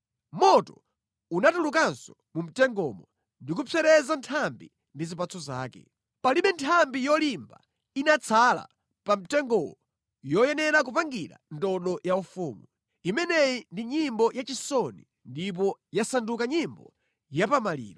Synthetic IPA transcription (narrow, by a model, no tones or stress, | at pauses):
mɔtɔ | unatulukansɔ | mum̩tɛŋɡɔ̰mɔ | ndikupʰɛɾɛzantʰambi | ndizipat͡sʰɔza̰ːkɛ̰ | paliɓɛntʰambijɔlimba | inat͡sʰala̰ | pam̩tɛŋɡɔwɔ | jɔjɛnɛɾak̬upaŋɡiɾa̰ndɔɗɔjaufuːmu | imɛnɛjindiɲimbɔjat͡ʃisɔni | ndip̬ɔjasandukaɲimbɔ | japamalḭːɾɔ